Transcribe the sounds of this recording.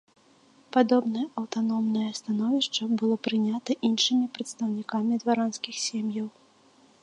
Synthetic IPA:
pad̪ɔbnɐjɛʔɐwt̪anɔmnɐjɛst̪anɔvʲiʂt͡ʂɐbɨlˠɔpɾɨnʲat̪ɐʔinʂɨmʲipɾɐt̪st̪ɐwnʲikamʲid̪vaɾanskʲixsʲemjɐw

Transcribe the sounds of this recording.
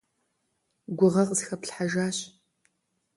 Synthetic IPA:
ɡʷʊʁɐqʼəzxɐpɬħaʒaːɕ

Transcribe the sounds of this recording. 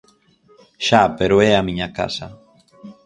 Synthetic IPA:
ʃapeɾoeamiɲaka̰sa

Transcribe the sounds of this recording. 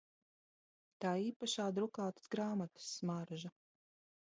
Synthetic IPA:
t̪aːiːpaʃaːd̪ɾukaːt̪ɨ̥sɡɾaːmat̪ɨ̥sːmaɾʒa

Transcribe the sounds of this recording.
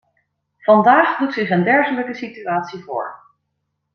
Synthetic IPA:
v̥ɑndaːχdutsɪχəndɛɹχələkəsityaːtsivʊ̰ːɹ

